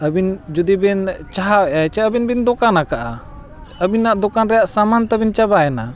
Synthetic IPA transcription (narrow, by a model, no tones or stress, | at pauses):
əbind͡ʒud̪ibɛnt͡ʃaɦawɛʔat͡ʃɛəbinbind̪ɔkanakaʔa | əbinːaʔd̪ɔkanɾɛjaʔsamant̪abint͡ʃabajɛna